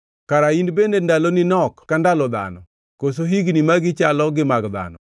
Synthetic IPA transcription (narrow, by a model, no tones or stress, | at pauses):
kaɾaindbendendalonɪnɔkːandalɔd̪a̰nɔ | kos̬oɦiɡnimaɡɪt͡ʃalɔɡɪmaɡd̪a̰nɔ